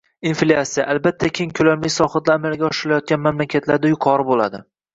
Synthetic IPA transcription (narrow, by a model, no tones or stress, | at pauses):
inflʲiasija̰ʔalbat̪ʰːakʲʰe̞ŋkʲʰɵlamlɪjsɒχɑt̪laːmeɾɡʲaɒʃɪɾɪlajɒt̪̚kʲanmamlakʲʰat̪laɾd̪ajʊqʰɒɾɪbola̰d̪ɪ